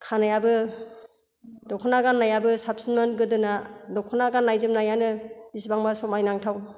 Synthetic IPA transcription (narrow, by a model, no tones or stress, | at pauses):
kʰanajabɯ | dɔkʰɔnaɡanːajabɯsapsinmanɡɯdɯnadɔkʰɔnaɡanːajzɯmnajanɯis̬baŋbasɔmajnaŋtʰaw